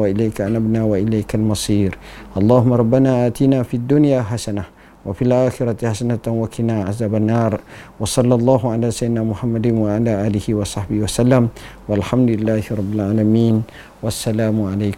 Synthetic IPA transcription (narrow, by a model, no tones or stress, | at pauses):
waʔɪlajkaʔanabnaːwaʔɪlajkalmɑsˤiːɾʔɑlˤːɑːhʊmːaɾˤɑbːanaːʔaːt̪inaːfiad̪ːʊnjaːɦasana | wafilʔaːxɪɾat̪ħasanat̪wakʰɪnaːʕazaːbanːɑːɾˤwɑsˤɑlːɑlˤːɑːɦʊʕalaːsajːd̪ɪnaːmʊħamːad̪ɪnwaʕalaːʔaːlɪhiwɑsˤɑħbɪhiwasalːam | walħamd̪ʊlɪlːaːhɪɾˤɑbːɪlʕaːlamiːn | wasːalaːmʊʕalajk